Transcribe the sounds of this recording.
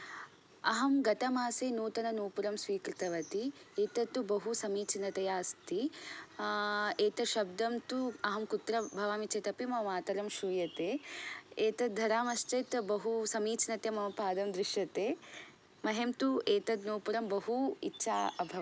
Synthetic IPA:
ɐɦɐmɡɐt̪ɐmaːseːnuːt̪ɐnɐnuːpuɾɐmsʋiːkɾit̪ɐʋɐt̪ieːt̪ɐt̪ːubɐɦusɐmiːt͡ʃinɐt̪ɐjaːst̪i | eːt̪ɐʃɐb̚d̪ɐmt̪uɐɦɐmkut̪ɾɐbʱɐʋaːmit͡ʃet̪ɐpimɐmaːt̪ɐɾɐmʃuːjɐt̪eːeːt̪ɐd̪ʱɐɾaːmɐʃt͡ʃɐt̪bɐɦusɐmiːt͡ʃinɐt̪jɐmɐmɐpaːd̪ɐmd̪ɾiʃjɐt̪eː | mɐɦemt̪ueːt̪ɐt̪noːpuɾɐmbɐɦuḭtːʃʰaːɐbʱɐɐ

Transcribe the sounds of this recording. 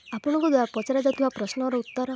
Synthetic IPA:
apɔɽ̃ɔ̃ŋkɔd̪waɾapɔt͡ʃaɾad͡ʒat̪ʰɔbapɾɔsnɔɾɔut̪ːɔɾɔ

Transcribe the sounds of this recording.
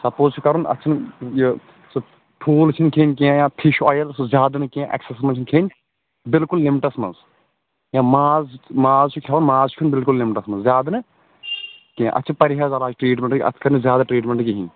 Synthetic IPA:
sɐpoːzt͡ʃʰukɐɾunɐ̰t͡ʃʰinj | sɨ | pʰuːlt͡ʃʰinkʰeːnkiãjãːt̪ʰiʃɔːjɐlsɨzʲaːd̪nɨkĩãʔɛ̰ksesmɐnt͡ʃʰinkʰeːnʲ | bɪlkulːimiʈɐsmɐ̰nz | jãːmaːzmaːzt͡ʃʰukʰaːʋunmaːzt͡ʃʰkʰunbɪlkulːimiʈɐsmɐnzzʲjaːd̪ɐnɨ | kijã̰ʔɐ̰tːt͡ʃʰinpɐɾiɦaːzalaːt͡ʃʰʈɾiːʈmʲẽɳʈɐ̰t̪ʰkɐɾnizʲjaːd̪aʈɾiːʈmʲẽɳʈkiɦĩ

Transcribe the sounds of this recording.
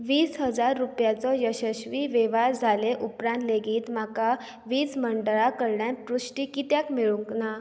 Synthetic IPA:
ʋiːsɦəd͡zaɾːupjat͡sɔjəɕəɕʋiʋɛʋaɾd͡zʱaleʔupɾãnt̪leɡiːt̪m̤aka | ʋiːt͡sməɳɖəɭakəɾɳjãnpɾusʈikit̪jakmiɭuŋkna

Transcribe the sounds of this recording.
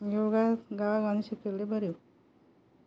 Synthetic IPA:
joɡaɡaʋaɡaniɕikeɾlebʱəɾe

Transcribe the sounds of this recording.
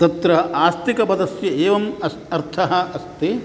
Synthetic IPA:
t̪ɐt̪ɾɐɦɐʔaːst̪ikɐbɐd̪ɐsjɐeːʋɐmɐ | ɐɾt̪ʰɐɦɐɐst̪e

